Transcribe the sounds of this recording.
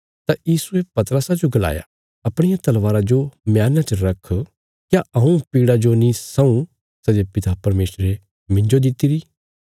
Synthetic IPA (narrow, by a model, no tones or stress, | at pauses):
t̪ajiːsuepɐt̪əɾəsad͡ʒoɡɐla̰ːja̰ | ɐpɽ̃ɪjat̪ɐlʋaːɾad͡ʒomjaːnãt͡ʃɐɾɐkʰ | kjaʔɐũpiːɽad͡ʒonĩsɐ̃ũ | sɛd͡ʒepɪt̪apɐɾmeːsɾe | mɪ̃ɲd͡ʒod̪ɪt̪ːiɾi